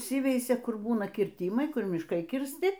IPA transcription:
ˈiːsʲɪʋʲɛɪsʲɛ ˈkʊr ˈbuːnɐ kʲɪrʲˈtʲiːmɐɪ ˈkʊr mʲɪʃˈkɐɪ kʲɪrʲsʲˈtʲɪ

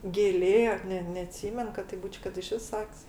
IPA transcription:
ɡʲeːˈlʲeː ˈnʲɛ nʲɛɐˈtʲsʲiːmʲɛn kɐt tɐɪp ˈbuːt͡ʃʲ kɐt ɪˈʃʲʋʲɪs ˈsɐkʲsʲ

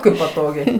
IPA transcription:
ˈkɐɪp pɐˈtoːɡʲɛɪ

